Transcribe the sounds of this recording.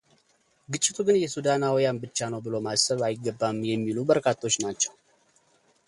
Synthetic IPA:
ɡɨt͡ʃʼːɪt̪ʰuɡɨnjɛsud̪anawjanbɨt͡ʃːanəwbɨlo̞masəβajɪɡːəbːamjɛmːilubəɾkʰat̪ʰːo̞t͡ʃːnat͡ʃːɛw

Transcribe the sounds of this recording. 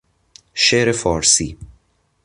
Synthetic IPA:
ʃeɾefɒːɾsḭː

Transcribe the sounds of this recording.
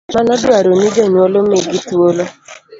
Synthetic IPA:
manɔdʊaɾonid͡ʒenuolomeɡituolo

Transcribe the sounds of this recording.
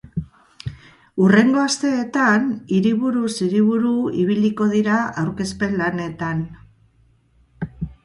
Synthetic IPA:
ure̞ŋɡo̞ast̪e̞ːt̪aniɾiβuɾusiɾiβuɾuiβ̞iliko̞ðiɾaawɾke̞spe̞nlane̞t̪an

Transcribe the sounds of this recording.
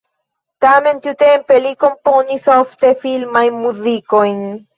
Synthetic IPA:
t̪ament̪jut̪empelikomponisaoft̪efilmajmːuðikojn

